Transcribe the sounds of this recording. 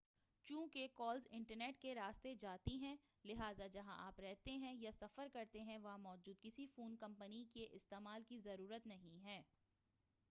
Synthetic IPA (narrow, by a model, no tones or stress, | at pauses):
t͡ʃũːkekɔːlzɪ̃ɳʈəɾneːʈkeɾaːst̪ed͡ʒaːt̪iɦɛ̃ː | lɪɦaːzad͡ʒɐɦãʔaːpɾɛɦt̪eɦɛ̃jasɐfəɾkɐɾt̪eɦɛ̃ʋɐɦãmɔːd͡ʒuːd̪kɪsifuːnkɐ̃mpənikeʔɪst̪eːmaːlkizɐɾuːɾət̪nɐɦĩɦɛː